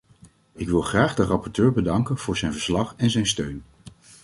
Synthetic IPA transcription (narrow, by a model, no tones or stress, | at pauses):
ɪkʋɪlˠχraːχdərɑpɔɹtøːɹbədɑŋkənv̥ʊːɹzɛjnvəɹslɑχɛnzɛjnstøɥn